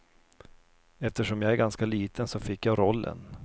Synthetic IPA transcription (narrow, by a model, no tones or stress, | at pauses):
ɛft̪əʂɔmjaɡæɾɡanskaliːt̪ʰənsɔfɪkːjaɾɔlːə̰n